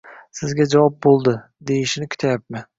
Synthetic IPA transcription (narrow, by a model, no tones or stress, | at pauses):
sɪzɡʲad͡ʒavɑp̚bolˠd̪ɪ | d̪ejɪʃɪnɪkʰʊ̥t̪ʰajap̚mɪ